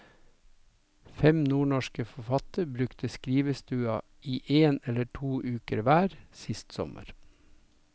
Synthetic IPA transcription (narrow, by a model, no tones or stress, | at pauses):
fɛmnuːɳɔʃkəfɔfɑt̪əɾbɾʉkt̪ʰəskɾiːʋəst̪ʉːɑ | iːʔeːnɛləʈʰuːʔʉːkəɾʋæːɾsɪst̪sɔ̰mə̰ɾ